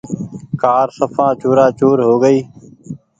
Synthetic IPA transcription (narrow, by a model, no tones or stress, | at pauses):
kaːɾsəfʰãːt͡ʃoːɾãːt͡ʃoːɾɦoːɡəiː